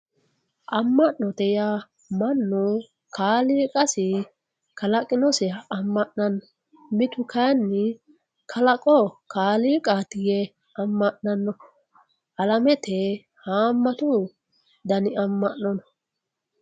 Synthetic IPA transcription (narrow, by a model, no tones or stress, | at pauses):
ʔɐmːɐʔːɔt̪ɛja | mɐnːʊ | kʰaːliːkʼɐsɪ | kɐlɐkʼɪnɔsɛɐmːɐʔnɐnːɔ | mɪt̪ʊkɐjnːɪ | kʰɐlɐkʼɔkʰaːliːkʼaːt̪ɪjɛ | ɐmːɐʔnɐnːɔ | ʔɐlɐmɛt̪ʰɛ | haːmːɐt̪ʊ | d̪ɐnɪɐmːɐʔɔnɔ